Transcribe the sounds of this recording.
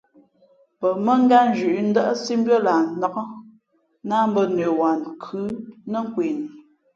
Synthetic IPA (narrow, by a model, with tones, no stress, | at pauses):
pə˨mə˦ŋ˦ɡa˦n˦d͡ʒʉ˨ʔn̩˦də˦ʔsi˦m˦bɥə˦la˨n˦nɔ˨kɔ˦ | na˦m̩˦bə˦ne˨wa˨nkʰʉ˦nə˦ŋ̩˦kwe˨n˨